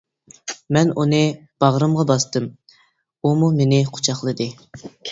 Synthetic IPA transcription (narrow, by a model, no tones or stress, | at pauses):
mɛnunɨb̥ɑʁɾɨmʁɑbɑst̪ɨm | umumenɪqʰʊ̥t͡ʃʰɑχlˠɨd̪ɨ